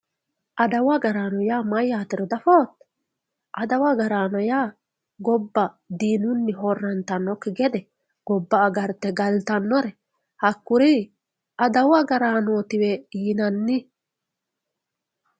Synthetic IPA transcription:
ʔɐd̪ɐwɐɡɐɾaːnɔjaːmɐjːaːt̪ɪɾɔd̪ɐfoːt̪ː | ʔɐd̪ɐwɐɡɐɾaːnɔjaː | ɡɔbːɐ | d̪iːnʊnːɪɦɔrːɐnt̪ɐnːɔkːɛɡɛd̪ɛ | ɡ̥ɔbːɐːɡɐɾt̪ːɛɡɐlt̪ɐnːɔɾɛ | hɐkːʊɾi | ʔɐd̪ɐwɐɡɐɾaːnoːt̪ɪwɛiːnɐnːɪ

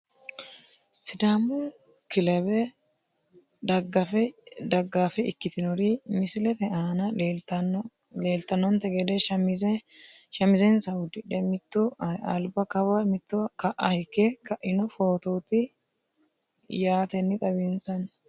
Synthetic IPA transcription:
sɪd̪amʊ | kɪlɛbɛ | d̪ɐɡːɐfɛd̪ɐɡːaːfɛɪkːɪt̪ɪnɔɾimɪsɪlɛt̪ɛaːnɐ | le̞ːlt̪ːɐnɔnt̪ːɛɡɛd̪ɛʃɐmɪzɛ | ʃɐmɪzɛnsɐwʊd̪ɪᶑɛmɪt̪ːʊɐlbɐkɐwɐmɪt̪ːʊkɐʔɐhɪkːɛkɐʔɪnɔfoːt̪oːt̪ɪ | jaːt̪ɛnːɪt̪ʼɐβɪnsɐn

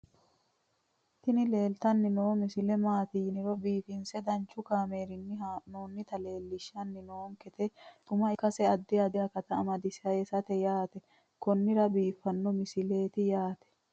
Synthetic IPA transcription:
t̪ɪnɪle̞ːlt̪ɐnːɪnoːmɪsɪlɛmaːt̪iːnɪɾɔbiːfɪnsɛd̪ɐnt͡ʃːʊkaːme̞ːɾɪnːɪɦaːnoːnːɪt̪ɐle̞ːlːɪʃːɐnːɪnoːŋkɛt̪ɛt̪ʊmɐɪkːɐsɛɐd̪ːɪɐd̪ɪjɐkɐt̪ɐːmɐd̪ɪsɐesɐt̪ɛjaːt̪ɛ | kɔnːɪɾɐbiːfːɐnːɔmɪsɪle̞ːt̪ɪjaːt̪ɛ̥

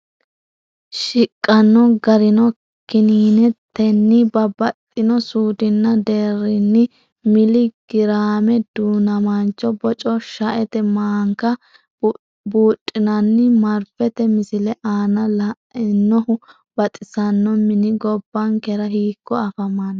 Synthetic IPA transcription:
ʃɪkʼːɐnːɔɡɐɾɪnɔ | kɪniːnɛt̪ːɛnːɪbɐbɐt̪ʼːɪnɔsuːd̪ɪnːɐd̪eːrːɪnːɪ | mɪlɪɡ̥ɪɾaːmɛd̪uːnɐmɐnt͡ʃːɔbɔt͡ʃʼɔʃɐʔɛt̪ɛmaːŋkɐ | buːtʼːɪnɐnːɪmɐɾfɛt̪ɛmɪsɪlɛʔaːnɐlɐ | ɪnːɔhʊ | bɐt̪ʼɪsɐnːɔmɪnɪɡɔbːɐŋkɛɾɐɦiːkːɔɐfɐmːɐn

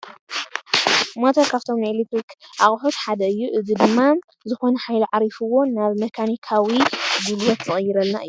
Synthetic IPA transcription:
mot̪ʰɐɾkʰaβt̪ʰomelit̪ɾikʔaχʼħut̪ħad̪ɐɨjːuʔɨzid̪ɨmːa | zɨxo̞nɐħajluʕaɾifɨwo̞naβmɐkʰanikʰawiɡulwɐt̪zɨχʼjːɪɾɐlːa̰ʔɨ̰jːu

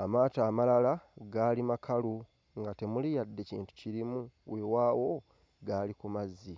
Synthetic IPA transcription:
amaːtaːmalalaɡaːlimakʰalu | ŋɡate̞mulijadːe̞cḭːntu̥ciɾimuwe̞waːwo̞ | ɡaːlikumazːi

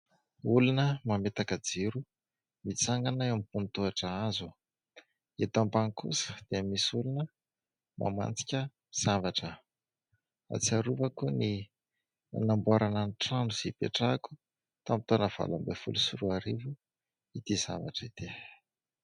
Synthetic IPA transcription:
ulunəmamet̪akəd͡ziɾu | mit͡saŋɡanaamipunt̪uaʈ͡ʂaazu | et̪ampaŋkṵsə̥d̪̥eamisulunə | mʔa̰ma̰nt͡si̥kʲə | z̥avaʈ͡ʂə | a̰t͡siaɾuvakuni | a̰nambuaɾananʈ͡ʂanuz̥ipeʈ͡ʂaku̥ | t̪amit̪onəv̥a̰lambefṵlusuɾuaɾivu | it̪iz̥a̰vaʈ͡ʂit̪e

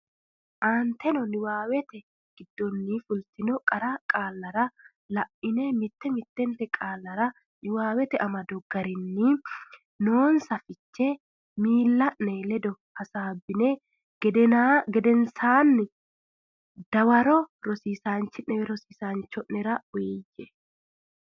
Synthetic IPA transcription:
ʔaːnt̪ɛnɔnɪwaːwɛt̪ɛ | ɡ̥ɪd̪ːɔnːifʊlt̪ɪnɔkʼɐɾakʼaːlːɐɾɐ | lɐʔːɪnɛmɪt̪ːɛmɪt̪ːɛnt̪ɛkʼaːlːɐɾɐ | nɪwaːwɛt̪ɛʔɐmɐd̪ɔɡ̥ɐɾɪnːɪ | noːnsɐfɪt͡ʃːɛ | miːlːɐʔnelɛd̪ɔ | hɐsaːbːɪne | ɡd̪ɛaɡɛd̪ɛnsaːnːɪ | d̪̥ɐwɐɾɔɾɔsiːsaːnt͡ʃːɪʔɛwɛɾɔsiːsaːnt͡ʃːɔʔnɛɾɐʊeːjːɛ

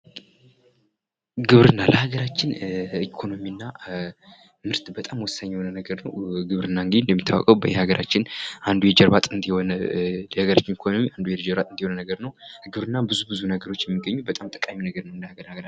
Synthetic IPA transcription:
ɡɨβɾɨnːaləhaɡəɾat͡ʃːɪnikʰo̞no̞miɨnːa | mɨɾt̪bət̪ʼamwɔsːaɲːwnənəɡəɾnəwɡɨβɾɨnːaɨŋɡɨd̪iɨnd̪əmːit̪ʰːa̰wɔ̰kʼəwbəjɛhaɡəɾʔat͡ʃːɪnʔand̪ujɛd͡ʒɛɾβat̪ʼɨnd̪ionləhaɡəɾat͡ʃːɪnikʰo̞no̞miand̪ujɛd͡ʒɛɾbat̪ʼɨnd̪ihonənəɡəɾnəwɡɨβɾɨnːabɨzubɨzunəɡəɾo̞t͡ʃːjɛmːiɡːəɲːubət̪ʼamt̪ʼɨ̥kʼaminəɡəɾnəwɨnd̪əhaɡəɾaɡɾa

